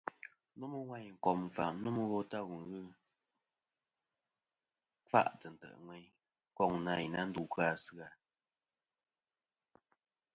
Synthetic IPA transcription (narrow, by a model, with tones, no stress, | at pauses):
nu˦mɨ˦wa˦˨ɲ˨ŋ̩˨kɔ˨m˨fa̰˨m˦nu˦m˦ɣɔ˦ta˦˨wu˨ɣɨ˦ | fa̰˦ʔtə˨n̩˨tɛ̰˨ʔŋwɛ˦j | kɔ˦˨ŋna˨i˨na˦n̩˦du˨ka˦˨sɨ˦a˨